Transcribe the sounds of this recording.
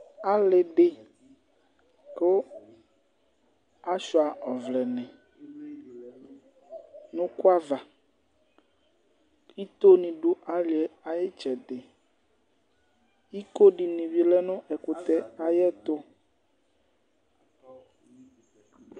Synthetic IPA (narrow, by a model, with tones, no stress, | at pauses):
a˦le˨ɖe˨ | ko˦ | a˦ʃɔ˨a˨ʔɔ˨vlɛ˨nɛ̃˨ | nũ˦ku˦a˦va˨ | i˦t̪o˦nĩ˨ɖu˦ʔa˦li˨ɛ˨a˨je˦t͡ʃɛ˨d̪e˨ | i˦ko˦ɖi˨nĩ˨vi˦lɛ˦nũ˦ʔɛ˨ko˨t̪ɛ˦a˨jɛ˦t̪o˦